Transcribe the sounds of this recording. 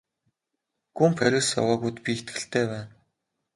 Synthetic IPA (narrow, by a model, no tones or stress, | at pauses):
ɡ̥umpʰæɾʲʊ̆sja̰waːɣujt̪pʲiet̪ɡɘ̆ɬt̪ʰeːwæːn